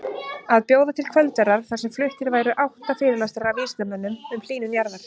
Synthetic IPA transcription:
aðpjoːwðat̪ʰɪlkʰvœlt̪ɛɾaɾ̥θasɛmflʏht̪ɪɾvaːjɾʏʔawht̪afɪːɾɪɾlast̪aɾɾawviːsk̪amɛnːʏmʏml̥iːnʏnjaɾvaɾ̥

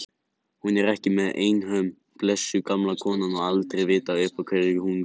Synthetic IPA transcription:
hunɛɾɛhcɪmɛðḛːjnɦœm | plɛsːʏkamlakʰɔːnanɔɣalt̪ɾevɪːt̪aʏhpakʰveɾɪɪhun

